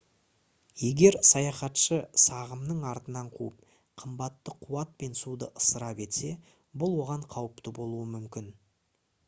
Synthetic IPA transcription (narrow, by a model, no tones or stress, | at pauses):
je̞ɡʲe̞ɾsɑjɑχɑt̪ʃəsɑʁəmnəɴɑɾt̪ənɑɴqʰṵəp̚ | qʰəmbɑt̪ːəqʰuwɑt̪̚pe̞nsud̪əʔəsəɾɑpe̞t̪se̞ | bʊlˠwo̞ʁɑɴqʰɑwəpt̪əbo̞lˠuəmʏmkʲɪn